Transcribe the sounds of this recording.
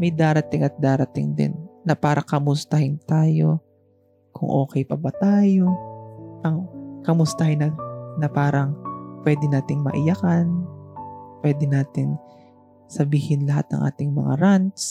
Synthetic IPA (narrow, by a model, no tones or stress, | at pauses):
mɐjd̪aːɾɐt̪ɪŋʔɐt̪̚d̪aːɾɐt̪ɪ̰ŋd̪ɪ̰nːɐpaːɾʔɐkɐmʊst̪ɐhɪnt̪aːjo̞ | kʰʊ̰ŋʔo̞ːkɛjpɐbɐt̪aːjo̞ʔɐŋkɐmʊst̪ɐhɪnɐnɐpaːɾɐŋpwɛːd̪ɪnaːt̪ɪŋmɐ̰ʔɪjɐkɐn | pwɛːd̪ɪnaːt̪ɪŋ | sɐbiːhɪnlɐɦa̰t̪̚nɐ̰ŋʔa̰ːt̪ɪŋmɐ̰ŋa̰ɾant̪s